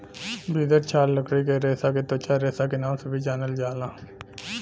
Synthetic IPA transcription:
biːd̪əɾt͡ʃʰaːlləkɾiːkeːɾeːsaːkeːt̪oːt͡ʃaːɾeːsaːkeːnãːmsəbʱiːd͡ʒaːnəld͡ʒaːlãː

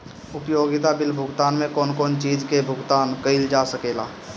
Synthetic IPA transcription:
ʊpjoːɡɪt̪abɪlbʱʊɡt̪aːnmẽkɔːnkɔːnt͡ʃiːd͡ʒkebʱʊɡt̪aːnkəɪld͡ʒaːsəkeːlaː

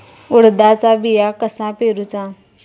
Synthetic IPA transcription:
uɽd̪at͡sabijakəsãpeɾut͡sã

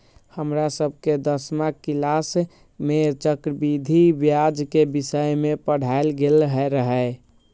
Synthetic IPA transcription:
həmɾasəb̚ʱked̪əsmakilas | met͡ʃəkɾəbid̪ʱibjad͡ʒkebisəjmepəɽ̤aelɡelɦɛɾəɦə

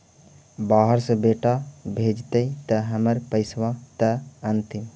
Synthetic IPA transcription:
baɦəɾsə̃beʈabʱed͡ʒt̪əit̪əɦəməɾpəɪsʋat̪əənt̪im

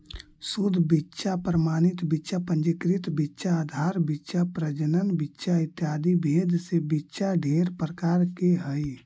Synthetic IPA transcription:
sud̪ʱbitːʃapɾəmaːnɪt̪bitːʃapə̃ɲd͡ʒɪkɾɪt̪bitːʃaːd̪ʱaːɾbitːʃapɾəd͡ʒənənbitːʃʰaɪt̪jaːd̪ibʱeːd̪ʱsebitːʃaɖʱeːɾpɾəkaːɾkeɦəi

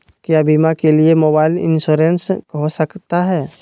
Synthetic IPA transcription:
kjaːbimakeliemoːbaːɪlɪ̰̃nsuːɾẽnskɦosəkt̪aɦɛː

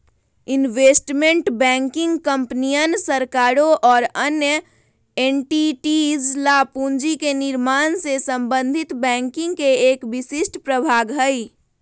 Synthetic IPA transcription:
ɪnʋeːsʈmẽɳʈbɛ̃ːŋkɪ̃ŋɡkə̃mpnijənsəɾkaːɾoʔɔːɾənjə | eːnʈiʈizlaːpũːnd͡ʒikenɪɾmaːnsesə̃mbə̃nd̪ʱɪt̪bɛ̃ːŋkɪ̃ŋɡkeeːkbɪsɪsʈpɾəbʱaːɡɦəi

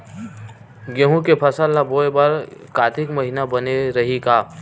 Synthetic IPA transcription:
ɡeɦũkepʰɐsəlːaboːebaɾkaːt̪ʰɪkməɦinabɐneɾɐɦikaː

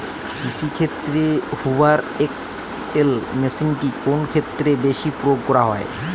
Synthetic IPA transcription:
bisikʰet̪ːɾehuwaɾ | eks | elmesinʈikonkʰet̪ːɾebeʃipɾoɡ̚kɔɾaɦɔe

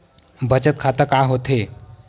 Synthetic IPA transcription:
bʱət͡ɕət̪̚kʰat̪əkaɦot̪ʰe

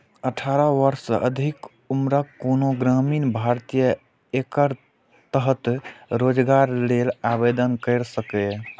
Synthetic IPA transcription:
əʈʰaɾəʋəɾsəʔəd̪ʱik | umɾəkːonoɡɾaminbʱaɾt̪ijə | ekəɾ | t̪əɦət̪ɾod͡ʒɡaɾlelabed̪ənkəɪɾsəke

